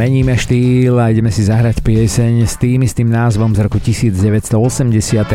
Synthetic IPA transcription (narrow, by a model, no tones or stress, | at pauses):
ɛɲiːmɛʃt̪iːlaiɟɛmɛsizaɦɾacpɪɛsɛɲst̪iːmist̪imnaːzʋɔmzɾɔkucisiːd͡zɟɛʋɛcst̪ɔɔsɛmɟɛsɪat̪ɛ